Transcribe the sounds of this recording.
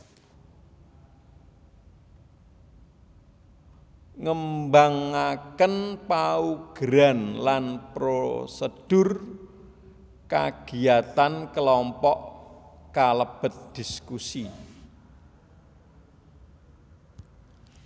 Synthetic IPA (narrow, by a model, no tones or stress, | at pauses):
ŋəmbaŋakənpauɡ̥ɾanlanpɾosəd̥ʊr | ka̰ɡ̥i̤at̪ankəlɔmpɔʔkaləb̥ə̤t̪̚d̪̥i̤skusi